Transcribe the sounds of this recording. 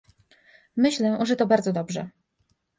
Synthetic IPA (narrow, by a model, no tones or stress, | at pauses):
mɘɕlɛʐɛt̪ɔbaɾd̪zɔd̪ɔbʐɛ̰